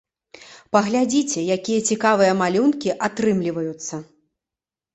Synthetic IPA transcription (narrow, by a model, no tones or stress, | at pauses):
pɐɣlʲad͡zʲit͡sʲɛjakʲijɐt͡sʲikavɨjɐmalʲunkʲiʔat̪ɾɨmlʲivɐjut̪sːɐ